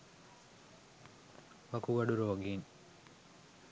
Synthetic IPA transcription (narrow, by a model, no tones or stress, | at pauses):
ʋɐkuɡɐɖuɾoːɡiːn